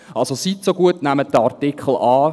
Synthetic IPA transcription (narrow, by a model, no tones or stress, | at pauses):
ɑlsositsoɡuətnæmət̚dəɑɾtikχl̩ɑː